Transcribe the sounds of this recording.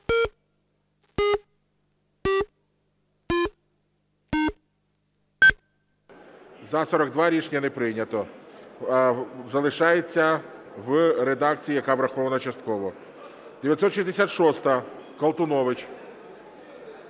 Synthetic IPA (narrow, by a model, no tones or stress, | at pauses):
zɐsɔɾɐɡ̚d̪ʋaɾʲiʃnʲɐnepɾɪjnʲɐt̪ɔ | zɐlˠɪʃɑjet͡sʲːɐʋɾed̪ɑk̚t͡sʲijijɐkaʋɾɐxɔʋɐnɐt͡ʃɐst̪̚kɔʋɔ | d̪̥eʋʲjɐt̪sɔt̪ʃisʲd̪esʲat̪ʃɔst̪ɐkɐlˠt̪ʊnɔʋɪt͡ʃ